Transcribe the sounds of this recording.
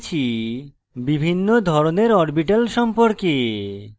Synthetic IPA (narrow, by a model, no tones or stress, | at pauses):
t͡ɕʰi | bibʱinːod̪ʱɔɾoneɾɔɾbiʈalʃɔmpoɾke